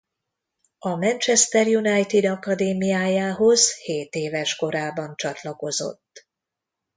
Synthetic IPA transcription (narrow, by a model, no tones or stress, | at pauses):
ɒmɛnt͡ʃɛst̪ɛrjunɒjt̪id̪ɒkɒd̪eːmijaːjaːɦo̞z̥heːt̪eːvɛʃko̞ɾaːbɒnt͡ʃɒt̪lɒko̞zo̞̰t̪ː